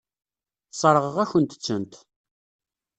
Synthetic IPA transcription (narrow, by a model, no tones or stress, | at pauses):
sˤəɾˤəʁəʁæçənt̪ə̥t͡sːənt̪